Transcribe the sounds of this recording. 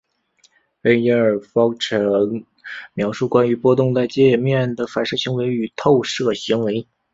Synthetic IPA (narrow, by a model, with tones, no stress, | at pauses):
fe˥ɪɛ˧˥ə˞˨˩fɑ˥ʊʈ͡ʂʰɤ˧˥ŋ | mjɑ˧˥ʊʂu˥˩kwa˥ny˧˥pwɔ˥t̪ʊ˥˧ŋt͡sa˥˧ɪt͡ɕjɛ˥˧˨mjɛ˥˩nd̪ə˩fa˨˩nʂɤ˥˩ɕi˧˥ŋwe˧˥ɪy˨˩t̪ʰo˥˧ʊʂɤ˥˩ɕi˧˥ŋwe˧˥ɪ